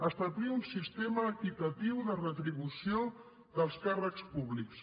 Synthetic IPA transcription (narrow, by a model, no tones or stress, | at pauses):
əst̪abliunsist̪eməːkit̪ət̪iwðərət̪ɾiβusio | ðəlˠskarəkspuβliks